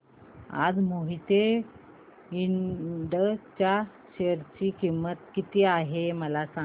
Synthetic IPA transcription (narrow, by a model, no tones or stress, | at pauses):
a̰d͡zmoɦit̪e | iɳɖət͡ɕja | ɕeɾt͡ɕiːkimət̪kit̪iaɦeməlasã